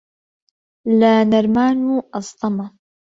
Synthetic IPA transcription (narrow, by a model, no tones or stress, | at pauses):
laːnaɾˤmaːnuʔɑsˤt̪ˤɑma